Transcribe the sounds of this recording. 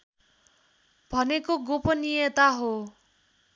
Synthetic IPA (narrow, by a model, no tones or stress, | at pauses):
bʱʌnekoɡopɔnijet̪aɦo